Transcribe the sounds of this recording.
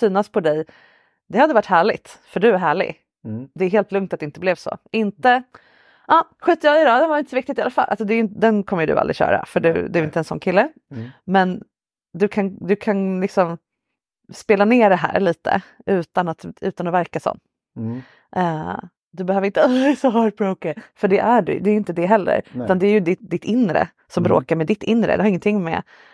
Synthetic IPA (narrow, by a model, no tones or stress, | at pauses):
syːnaspʰɔd̪ɛj | d̪ɛhad̪əvaʈːhæːɭɪ̰ɡ̚t̪fœɖɵæɾɦæːɭɪ̰ɡ | d̪ɛːɾɦeːlt̪lɵŋkt̪at̪d̪ɛɪnəblɛvsɔ̰ɪnt̪ə | ʔɑːɧiːt̪ːjɑːɪd̪ɑːd̪ɛnvaɾɪnt̪əsɔvɪkt̪ɪt̪ɪalafalʔa̰lsɔd̪ɛjɪnt̪d̪ɛnkʰɔmːəjɵd̪ɵ̰ʔa̰ld̪ɾɪ̰ɕœ̰ːɾa̰fœɖɵ̰d̪ɵæɾɪnt̪əɛnsɔnːkʰɪlːə | mɛn | d̪ɵkʰand̪ɵkʰanlɪksɔm | speːlaneːɖɛɦæ̰ːɾɭiːt̪ə̰ʔʉ̟ːt̪anat̪ʉ̟ːt̪anɔvæɾkasɔ̰mː | ʔɛ | d̪ɵbɛhøːvɾɪnt̪əɔsɔɦɑbɾoʊkəfœɖɛʔæɖɵ̰d̪ɛːjʏɪnt̪əd̪ɛɦɛlːə̰ɾʉt̪and̪ɛæɾjɵd̪ɪd̪ɪt̪ʰɪnɾə̰ | sɔmbɾo̰ːkaɾmɛd̪ɪt̪ːɪnːɾə̰d̪ɛhaɾɪŋːənt̪ʰɪŋːmɛ̰